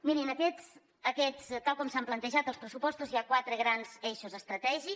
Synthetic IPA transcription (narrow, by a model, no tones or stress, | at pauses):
miɾinəkɛt͡s | əkɛt͡st̪ːalˠkɔmsamplənt̪əʒat̪əlˠspɾəsupɔst̪uzjakwat̪ɾəɣɾanz̥eʃuzəst̪ɾət̪ɛʒi